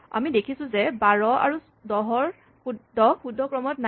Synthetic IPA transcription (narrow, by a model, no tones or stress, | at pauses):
a̰midekʰisʊ̃zɛbaɹɔa̰ɹu | dɔɦɔɹ | uɔxudʱːɔkɹɔmɔtna